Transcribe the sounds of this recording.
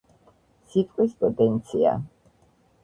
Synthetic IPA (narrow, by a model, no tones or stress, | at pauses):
sit̪ʼqʼwispʼɔd̪ɛnt̪sʰia̰